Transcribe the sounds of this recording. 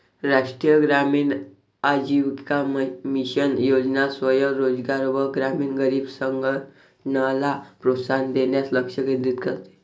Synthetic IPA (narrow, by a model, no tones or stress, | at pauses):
ɾaʂʈɾijəɡɾamiːn | ad͡ʑiʋkamiɕənjod͡znasʋəjəɾod͡zɡaɾʋəɡɾamiːnɡəɾiːbsəŋɡə | nəlapɾot̪sand̪enjasləkʂəkind̪it̪kəɾt̪e̥